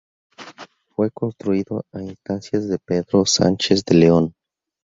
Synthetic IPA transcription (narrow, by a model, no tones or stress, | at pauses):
fwe̞ko̞nst̪ɾuiðo̞ainst̪ansjazðepe̞ðɾo̞sa̰nt͡ʃezd̪e̞leon